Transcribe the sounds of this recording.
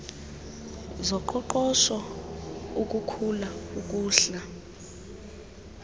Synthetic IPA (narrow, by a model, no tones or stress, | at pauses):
zɔǃɔǃɔʃɔ | uk̬ʼukʰulauk̬ʼuːɬa